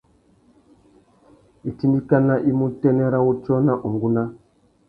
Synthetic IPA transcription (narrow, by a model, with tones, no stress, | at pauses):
i˨ti˦ndi˦ka˦na˦ʔi˦mu˦tɛ˦nɛ˦ɾa˦wu˦t͡ʃɔ˦na˦ʔu˨ŋɡu˦na˦